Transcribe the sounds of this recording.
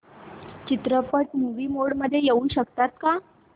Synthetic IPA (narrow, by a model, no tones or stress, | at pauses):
t͡ɕit̪ɾəpəʈmuʋiːmoɽməd̪ʱːjejeuːnɕəkt̪at̪ka